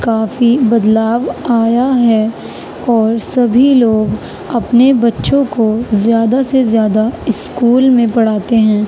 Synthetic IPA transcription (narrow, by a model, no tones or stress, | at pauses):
kaːfibɐd̪laːʋaːjaɦɛ | ɔːɾsɐbʱiloːɡ | ɐpnebɐtːʃõkozjaːd̪asezjaːd̪aɪskuːlmẽpɐɽ̤aːt̪eɦɛ̃ː